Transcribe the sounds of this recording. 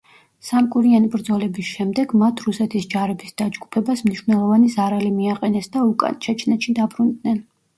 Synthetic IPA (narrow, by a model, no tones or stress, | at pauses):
samkʼuɾianibɾd̪zɔlɛbisʃɛmd̪ɛɡmat̪ʰɾusɛt̪ʰisd͡ʒaɾɛbisd̪̥ad͡ʒɡupʰɛbasmniʃvnɛlˠɔvanizaɾalimiaqʼɛnɛsd̪aukʼa̰nt͡ʃʰɛtt͡ʃʰnɛt̪ʃid̪abɾund̪nɛn